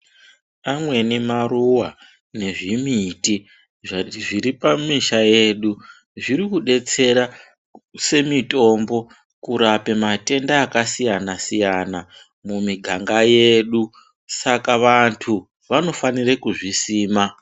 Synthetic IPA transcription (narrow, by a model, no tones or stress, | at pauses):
amwe̞nemaruwa | ne̞ʐimiti | ʐiɾipamiʃaje̞ɗu | ʐiɾikuɗe̞t͡se̞ɾa | se̞mito̞mbo̞ | kuɾape̞mate̞ndaːkasijanasijana | mumiɡʱaŋɡaje̞ɗu | sakaʋantʰu | ʋano̞fanirekuʐisiːma